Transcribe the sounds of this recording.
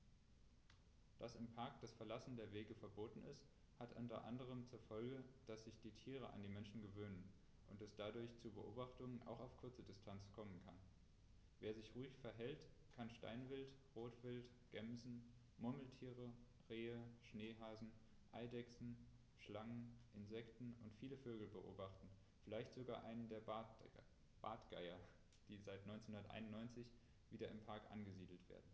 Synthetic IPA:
d̥asɪmpʰaɐkd̥asfɛɐlasn̩deːɐveːɡəfɛɐboːtn̩ɪ̰st | hatʔʊntɐ̰ʔa̰ndəʁ̞əmt͡suːɐfɔlɡəd̥asz̥ɪçd̥iːtʰiːʁ̞əʔa̰ndiːmɛnʃn̩ɡəvøːnən | ʔʊntɛsd̥adʊɐçt͡subəʔo̰ːbaχtʊŋənʔa̰ʊxaʊfkʰʊɐt͡sədɪstʰant͡skʰɔmənkʰan | veːɐzɪçʁuːɪçfɛɐɦɛlt | kʰanʃta̰ɪnvɪltʁoːtv̥ɪlt | ɡ̥ɛmzn̩ | mʊɐml̩tʰiːʁə | ʁeːəʃneːɦaːzn̩ | ʔaɪdɛksn̩ | ʃlaŋənʔɪnzɛktn̩ʊntfiːləføːɡl̩bəʔo̰ːbaχtn̩ | fɪlaɪçtz̥oɡa̰ːʔaɪnəndeːɐb | b̥a̰ːtɡ̥a̰ɪɐ | d̥iːzaɪtnɔʏnt͡senhʊndɐtʔa̰ɪnʊnːɔʏnt͡sɪç | v̥iːdɐɪmpʰaɐkʔa̰nɡəziːdl̩tv̥ḛːɐdn̩

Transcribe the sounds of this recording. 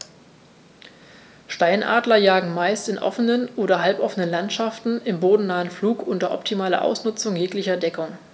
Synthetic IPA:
ʃtaɪnʔa̰ːdlɐjaːɡŋ̩maɪstɪnʔɔ̰fənənʔoːɾɐɦalpʔɔfənənlantʃaftn̩ɪmboːdn̩naːənfluːkʔʊntɐʔɔ̰p̚tʰimaːlɐ̰ʔa̰ʊsnʊt͡sʊŋjeːklɪçɐdɛkʊŋ

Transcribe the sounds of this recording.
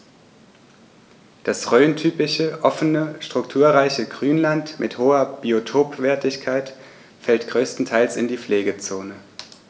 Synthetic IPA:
d̥asʁøːntʰyːpɪçəʔɔfənəʃtʁ̥ʊktʰuːɐʁaɪçəɡʁyːnlantmʔɪthoːɐb̥iotʰoːpv̥ɛɐtɪçkʰaɪt | fɛltɡ̥ʁøːstn̩tʰaɪlsɪndiːfleːɡət͡soːnə

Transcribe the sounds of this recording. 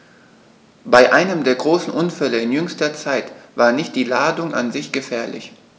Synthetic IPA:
b̥aɪʔaɪnəmdeːɐɡʁoːsn̩ʔʊnfɛləɪnjʏŋstɐt͡saɪtv̥aːɐnɪçt̚d̥iːlaːdʊŋʔa̰nzɪçɡ̥əfɛːɐlɪ̰ç

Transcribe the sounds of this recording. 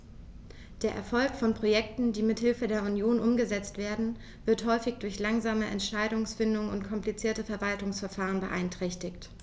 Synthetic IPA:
d̥eːɐʔɛ̰ɐfɔlkfɔnpʁ̥ojɛk̚tn̩diːmɪthɪlfədeːɐunjoːnʔʊmɡəzɛt͡stv̥eːɐdn̩ | vɪɐthɔʏfɪçd̥ʊɐçlaŋzaːməʔɛ̰ntʃaɪdʊŋsfɪndʊŋənʊntkʰɔmplit͡siːɐtəfɛɐvaltʊŋsfɛɐfaːʁ̞ənbəʔa̰ɪntʁ̥ɛçtɪçt

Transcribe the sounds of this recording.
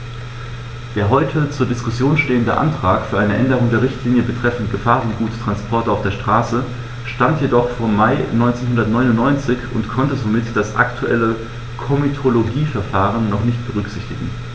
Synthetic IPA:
d̥eːɐɦɔʏtʰət͡suːɐdɪskʊsjoːnʃteːəndə̰ʔa̰ntʁ̥aːkfyɐʔaɪnəʔɛndəʁ̞ʊŋdeːɐʁɪçtliːnjəbətʁ̥ɛfn̩tɡ̥əfaːʁʊnt̚ɡ̥uːttʁ̥anspʰɔɐtaʊfd̥eːɐʃtʁ̥aːsə | ʃtantjedɔχfoːɐmːaɪnɔʏnt͡senhʊndɐtnɔʏnʊntnɔʏnt͡sɪçʊ̰ntkʰɔntəzomɪtd̥asʔa̰ktʰuʔɛ̰lə | kʰɔmitʰoloɡiːfɛɐfaːʁ̞ənːɔχnɪçt̚b̥əʁ̞ʏkz̥ɪçtɪɡŋ̩

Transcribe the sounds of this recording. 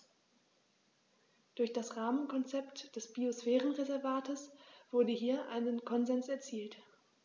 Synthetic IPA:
d̥ʊɐçd̥asʁaːmənkʰɔnt͡sɛptd̥ɛsb̥iosfɛːʁənʁezɛɐvaːtəsv̥ʊɐdəɦiːɐʔa̰ɪnənkʰɔnzɛnsɛɐt͡siːlt

